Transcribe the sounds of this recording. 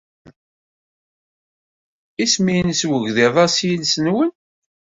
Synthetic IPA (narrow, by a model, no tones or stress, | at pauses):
ismijnswəʝðiðˤɑsjənsənwən